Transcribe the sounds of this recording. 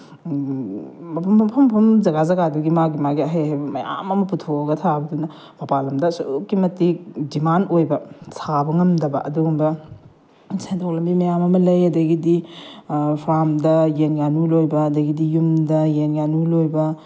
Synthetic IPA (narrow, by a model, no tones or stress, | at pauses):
mɐpʰɐpʰɐmpʰɐmzɐɡazɐɡaduɡimaɡimaɡiɐɦejɦajbɐmɐja̰mɐmɐputʰoɡɐtʰabɐdunɐ | mɐpalɐmdɐsukːimɐtik̚dimanojbɐsʰabɐŋɐmdɐbɐ̰ʔɐduɡumbɐ | sentʰoklɐmbimɐjamɐmɐlɐjɐdɐɡidi | pʰɾamdɐjenɡanulojbɐːdɐɡidijumdɐjenɡanulojbɐ